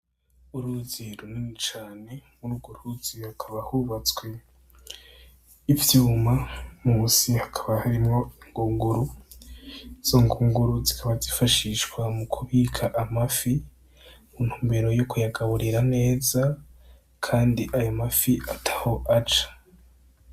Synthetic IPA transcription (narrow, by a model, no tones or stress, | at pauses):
uɾuziɾuninit͡ʃaːne̞muɾuɡuɾuz̥ihakʰaβahuβat͡swe̞ | ivjuːmamuːsihakʰaβahaɾimŋo̞iŋɡuːŋɡuɾu | z̥oŋɡuːŋɡuɾuzikʰaβazifaʃiʃkwamukʰuβiːkʰaʔamafi | munhuːmbe̞ɾo̞jokujaɡaβuɾiɾane̞ːza | kʰaːndiʔajomafiʔatʰḁho̞ʔat͡ʃḁ